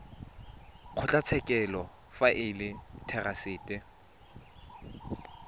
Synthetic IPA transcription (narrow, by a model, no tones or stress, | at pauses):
q͡χʰʊt͡ɬʼat͡sʰɛkʼɛlɔ | faʔɪlɪtʰɛrasɪːtʼɪ